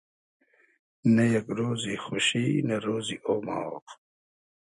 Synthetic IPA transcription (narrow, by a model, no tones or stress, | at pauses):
nɐjɐkɾoːzixuɕinɐɾoːziʔoːma̰ːwo̰q